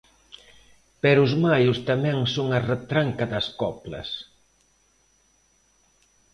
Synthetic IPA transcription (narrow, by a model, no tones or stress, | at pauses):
pɛɾʊzmajʊst̪amɛŋsoŋɐret̪ɾaŋkɐðɐskɔplɐ̰s